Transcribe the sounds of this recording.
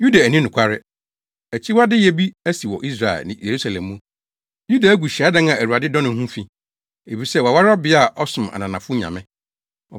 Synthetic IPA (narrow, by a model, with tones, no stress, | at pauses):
ju˦da˨æ˨nĩ˦nʊ̃˨kʷʰa˦ɾɪ˦ | æ˨t͡ɕʰi˦wa˦dɪ˦jɛ˨bi˦æ˦si˨wɔ̰˨ʔi˦s̬ɾa˨ɛ̰˨lnɪ̃˨je˨ɾu˦sa˨lɛ̰̃˨mːũ˦ | ju˦da˨æ˦ɡu˨ɕa˦dã˦n˦ã˨æ˨wu˨a˨dɪ˦dɔ̃˦nʊ̃˨˦hũ˦fĩ˨ | e˨bi˨sɛ˦wa˨wa˦ɾɪ˦ɔ˦bɪ˦a˦˨ʔɔ˦sʊ̃˨ma̰˨nã˨nã˨fʊ˦ɲã̰˨mɪ̃˦ | ɔ˨